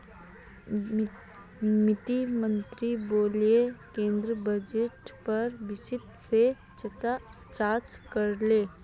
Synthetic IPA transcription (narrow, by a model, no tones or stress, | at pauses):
mɪt̪imə̃nt̪ɾiboːlekẽːnd̪ɾəbɐd͡ʒeʈpɐɾʋɪsɪt̪se | t͡ʃaːɾt͡ʃkɐɾleː